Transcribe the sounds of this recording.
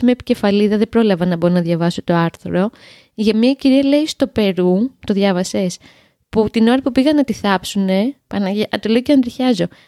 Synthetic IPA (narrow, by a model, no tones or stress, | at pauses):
mepi̥ce̞fɐliðɐðebɾo̞lɐvɐnɐboɾonɐðʝɐvɐsot̪oɐɾθɾo̞ | ʝɐmiɐeciɾiɐle̞ist̪o̞pe̞ɾut̪o̞ðʝɐvɐse̞s | put̪ino̞ɾɐpupiɣɐnɐt̪iθɐpsune̞pɐnɐʔɐt̪olocɐnd̪ɾiçɐzo̞